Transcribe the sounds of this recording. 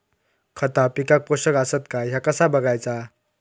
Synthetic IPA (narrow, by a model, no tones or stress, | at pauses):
kʰət̪apikak̚poɕəkasət̪kajakəsabəɡajt͡sa